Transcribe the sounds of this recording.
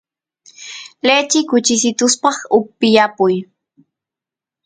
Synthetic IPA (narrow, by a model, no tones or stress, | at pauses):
let͡ʃɪkʊt͡ʃɪsɪt̪ʊspɑχʊpːɪjapʊj